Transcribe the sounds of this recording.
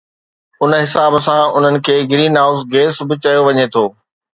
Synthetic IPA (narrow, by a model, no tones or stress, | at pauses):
ʊnɦɪsaːbsãʊn̤ənɪ̆kʰeːɡɪɾiːnaːʊzɡeːsbɪt͡ɕɐjoʋɐɲet̪ʰoː